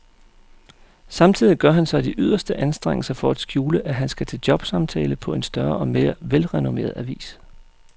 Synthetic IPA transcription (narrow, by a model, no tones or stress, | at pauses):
sɑ̈mt͡sʰiðˠiɡ̥ɶɐɦænsɑ̈ɪd̥iʔyðˠɐsd̥əʔænsd̥ʁeŋ̰əl̩sɐfɒ̽æd̥sɡ̥juːləʔæɦænsɡ̥æt͡sʰe̝ld̥jɒ̽b̥sɑ̈mt͡sʰɛ̰ːləpʰɒ̽e̝nsd̥ɶɐʔɒ̽me̝ːɐʋelʁɛno̝me̝̰ːɐðˠæʋḭːs